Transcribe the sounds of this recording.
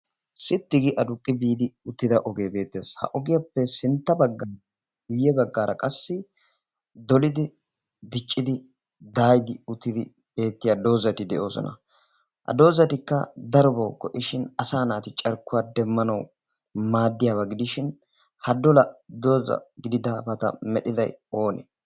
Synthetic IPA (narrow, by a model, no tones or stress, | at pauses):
sɪt̪ːɪɡɪʔɐd̪ʊkʼːɪbiːd̪ɪʊt̪ːɪd̪ɐʔɔɡeːbe̞ːt̪ːe̞ːshɐ̰ʔɔɡɪjɐpːɛsɪnt̪ːɐbɐɡːa | ɡʊjːɛbɐɡːaːɾɐkʼɐsːɪ | d̪ɔlɪd̪ɪ | d̪ɪt͡ʃʼːɪd̪ɪ | d̪aːjd̪ɪʊt̪ːɪd̪ɪ | b̥e̞ːt̪ːɪjad̪o̞ːzɐt̪ɪd̪ɛʔo̞ːsɔ̰nɐ̰ | hɐ̰d̪o̞ːzɐt̪ɪkːɐd̪ɐɾbɐwkɔʔɪʃɪnɐsaːnaːt̪ɪt͡ʃʼɐɾkːʊwaːd̪ɛmːɐnɐw | maːd̪ːɪjaːbɐɡɪd̪ɪʃɪn | hɐd̪ɔlɐd̪o̞ːzɐ̰ɡɪd̪ɪd̪abɐt̪ɐ̰mɛɗɪd̪ɐ̰jo̞ːnḛ